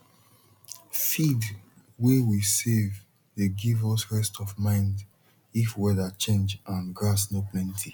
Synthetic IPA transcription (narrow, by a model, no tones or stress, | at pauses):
fid | wewisev | deɡivɔsɹɛstɔvmãɪ̃nd | ifwɛðat͡ʃẽnd͡ʒãnɡɹasnoplɛ̃ntʰi